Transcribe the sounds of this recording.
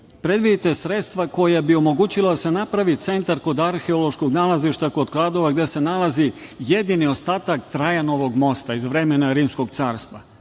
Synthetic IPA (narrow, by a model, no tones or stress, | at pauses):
pɾe̞d̪ʋid̪it̪e̞sɾe̞t̪st̪ʋako̞jabio̞mo̞ɡuːt͡ɕilad̪ase̞napɾaʋit̪se̞nt̪aɾko̞d̪aɾxe̞olˠo̞ʃko̞ɡnalaziʃt̪ako̞d̪klˠad̪o̞ʋaɡd̪e̞se̞nalazije̞d̪inio̞st̪aːt̪akt̪ɾajano̞ʋo̞ɡmo̞st̪aizʋɾe̞menaɾiːmsko̞ɡt̪saːɾst̪ʋa